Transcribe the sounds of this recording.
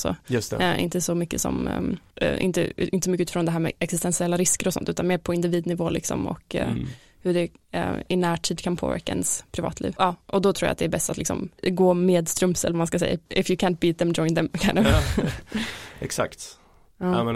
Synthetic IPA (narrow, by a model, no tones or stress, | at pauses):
so̰ːjɵst̪ɛ̰ʔɪ̰nt̪əsɔmʏkːəsɔ̰m | ʔɪ̰nt̪ə̰ʔɪnəsɔmʏkːʉt̪ɪfɾɔnd̪ɛɦæːɾmɛ̰ɛksɪst̪ɛnsɪɛlːaɾɪskəɾɔsɔ̰nt̪ʉ̟ːt̪anmeːɾpʰɔɪnd̪ɪviːd̪nɪvoːlɪksɔ̰mɔ̰k | hɵɖɛ | ɪnæːʈʰiːd̪kʰanpʰo̰ːvæ̰ɾkaɛ̰nspʰɾɪvɑ̰ːt̪ʰlḭːvɑːʔɔd̪ɔt̪ʰɾuːja̰t̪d̪ɛːɾbɛst̪at̪lɪksɔ̰mɡoːmeːd̪st̪ɾɵmsə̰lvamanskasɛ̰jːa̰ɪfjʊkʰæːnt̪̚biːt̪̚d̪ɛmd͡ʒɔɪnt̪d̪ɛmkʰanə | ɛksa̰kt̪ | ɑː